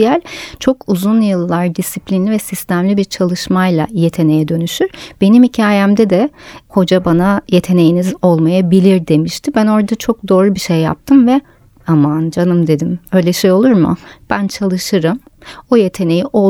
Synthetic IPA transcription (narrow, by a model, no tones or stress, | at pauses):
jælʲt͡ʃʰo̞kuzunjɯlˠːaɾd̪isiplʲinlʲivɛsist̪ʰæmlʲibiɾt͡ʃʰalˠɯʃmajlˠa̰je̞t̪ʰe̞ne̞jɛd̪ø̞nyʃyɾ̥b̥e̞nimhicʰaːjæmd̪ɛd̪ɛho̞d͡ʒabanaje̞t̪ʰe̞nejinizo̞lˠmajabilʲiɾd̪e̞miʃt̪ʰɪbæno̞ɾd̪at͡ʃʰo̞k̚d̪o̞ːɾubiʃejːa̰p̚t̪ʰɯmvɛ | amand͡ʒanɯmd̪e̞d̪imø̞jlʲɛʃejo̞lˠuɾmʊ̰b̥ænt͡ʃʰalˠɯʃɯɾɯmoje̞t̪ʰe̞ne̞jiʔo̞